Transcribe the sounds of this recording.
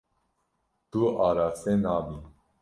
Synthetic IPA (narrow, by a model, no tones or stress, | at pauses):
t̪uaɾasenaːbi